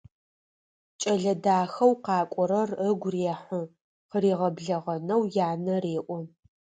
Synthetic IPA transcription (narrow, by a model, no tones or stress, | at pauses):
t͡ʃʼɐɮɐdaːxɐwqɑːkʷʼɔɾɐrəɡʷreːħʷə | qəreːʁɐbɮɐʁɐnɐwjaːnɐreːʔʷʼɔ